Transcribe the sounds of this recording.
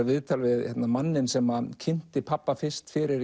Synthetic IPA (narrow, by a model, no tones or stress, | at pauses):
vɪðt̪ʰalvɪðçɛt̪namanːɪnsɛmacʰɪn̥t̪ɪpʰapːafɪst̪fɪɾɪɾ